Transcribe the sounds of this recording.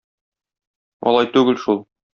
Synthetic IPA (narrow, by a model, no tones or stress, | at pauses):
ɒ̰lˠɑjt̪ʉɡɘlʃulˠ